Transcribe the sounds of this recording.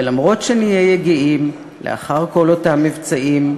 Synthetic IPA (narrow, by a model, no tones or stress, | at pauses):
elamʁo̞tʃenijejeɡiim | lḛa̰χaʁko̞lotamːivt͡saim